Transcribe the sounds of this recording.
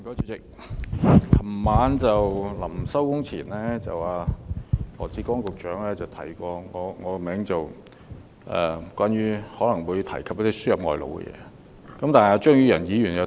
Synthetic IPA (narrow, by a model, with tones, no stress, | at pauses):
kɔː˨˧˥t͡sʰy˧˥t͡sɪ˨k̚ | kʰɐ˨˩mmaː˨˧˥nt͡sɐ˨wlɐ˨˩msɐ˥wkʊ˥ŋt͡sʰiː˨˩nlɛː˥t͡sɐ̰˨waː˨˩ | ɔː˨˩t͡siː˧kɔː˥ŋkʊ˨k̚t͡ʃœː˨˥ŋlɛː˥t͡sɐ˨wt̪ʰɐ˨˩jkʷɔː˧ŋɔː˨˧ŋɔː˨˧mɛː˨˥ŋt͡sɐ˨w | ʔɛ̰ː˨˩kʷwʷaː˥nɥyː˥hɔː˨˥lɐ˨˩ŋwuː˨˧jt̪ʰɐ˨˩jkʰɐ˨p̚jɐ˥t̪i˥syː˥jɐ˨p̚ŋɔ̰ː˨˩jlo̰˧wɡɛ̰˧jɛ̰ː˧ | kɐ˨˥mt̪aː˨n˨a˨˧t͡ʃœː˥ŋjyː˥jɐ˨˩njiː˨˧˥jyː˨˩njɐ˨˧